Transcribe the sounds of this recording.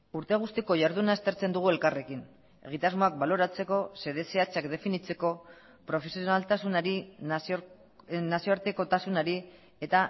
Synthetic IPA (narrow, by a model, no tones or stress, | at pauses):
uɾt̪e̞ɣ̞ust̪iko̞ʝaɾðunaest̪e̞ɾt͡se̞nd̪uɣ̞ue̞lkare̞kin | e̞ɣit̪azmo̞ak̚balo̞ɾat͡se̞ko̞se̞ðe̞se̞at͡ʃakd̪e̞finit͡se̞ko̞ | pɾo̞fe̞sio̞nalt̪asunaɾi | nasio̞aɾt̪e̞ko̞t̪asunaɾi | e̞t̪a